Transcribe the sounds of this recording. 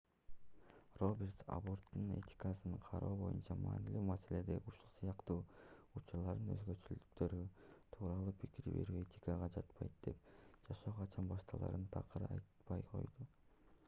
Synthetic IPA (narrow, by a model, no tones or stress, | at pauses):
ro̞bʲe̞rt̪sa̰bo̞rt̪ːune̞̰t̪ʲi̥kasɯnɯɴqʰɑɾoːbo̞̰junt͡ʃɑmɑ̰ːnilyːmase̞le̞d̪e̞uʃulˠsɯjɑqt̪uːut͡ʃuɾlˠɑɾd̪ɯnø̞̰zɡø̞t͡ʃylyk̚t̪ʰø̞ɾyt̪ʰuːɾɑlˠuːpʰikiɾiβe̞̰ɾye̞t̪ʲi̥kaʁɑd͡ʒɑt̪pɑjt̪̚d̪e̞̰p̚d͡ʒɑʃo̞ːʁɑt͡ʃʰɑnbɑʃt̪ɑlˠɑ̰ɾɯnt̪ʰɑqɯɾɯɑ̰jt̪pɑjqʰo̞̰jd̪u